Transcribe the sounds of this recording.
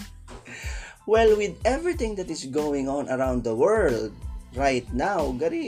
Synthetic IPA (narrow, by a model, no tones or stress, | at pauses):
wɛlwɪd̪ɛvɹit̪ɪ̃ŋd̪ɐt̪ɪsɡowɪ̃ŋɔ̃nɐɹãwnd̪d̪ɐwɛ˞ld̪̚ɹajt̪̚nawɡɐɾi